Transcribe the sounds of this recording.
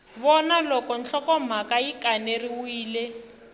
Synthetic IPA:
βɔnalɔkɔn̩ɬɔkɔm̤akaikaneriwiːle

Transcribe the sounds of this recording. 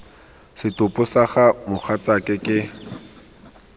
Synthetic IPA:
sɪtʼʊpʊsaχamʊχat͡sakʼɪkʼɪ

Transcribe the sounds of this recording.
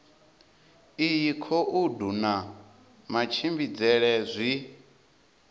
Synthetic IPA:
ijikʰɔʔuduna | mat͡ʃʰimbid͡zɛɺɛzʷi

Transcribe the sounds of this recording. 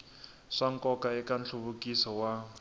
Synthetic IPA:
ʂaŋ̩kɔkaɛkant͡ɬʰuβukisɔwa

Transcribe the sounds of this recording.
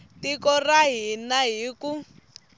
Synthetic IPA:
tikɔraɦinaɦiku

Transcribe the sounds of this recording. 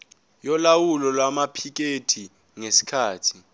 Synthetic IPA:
jɔlawulɔlwamapʰik̬etʰi | ŋesi̥kʰaːtʰi̥

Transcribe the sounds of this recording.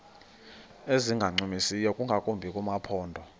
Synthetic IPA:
eziŋɡʱaŋ͡ǀumisijɔkʼuŋɡʱakʼumbʱikʼumapʰɔːndʱɔ

